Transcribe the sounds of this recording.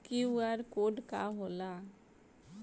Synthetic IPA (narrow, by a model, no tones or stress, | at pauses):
kiuaɾkoːɖka̰ɦoːla